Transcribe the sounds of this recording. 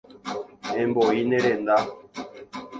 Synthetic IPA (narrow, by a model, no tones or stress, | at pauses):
ɛmbɔineɾenda